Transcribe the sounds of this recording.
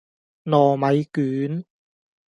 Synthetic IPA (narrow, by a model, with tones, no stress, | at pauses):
nɔː˨˩mɐ˨˧jkyː˨˦n